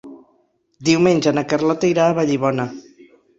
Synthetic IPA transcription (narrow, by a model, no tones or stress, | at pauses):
d̪iwmenʲd͡ʒanakarlat̪ejɾaːβaʎiβɔna